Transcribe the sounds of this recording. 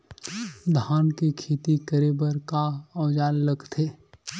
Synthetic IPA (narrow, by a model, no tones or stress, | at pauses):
d̪ʱaːnkikʰeːt̪ikəɾebəɾkaɔʋd͡ʒaːnləɡt̪ʰeː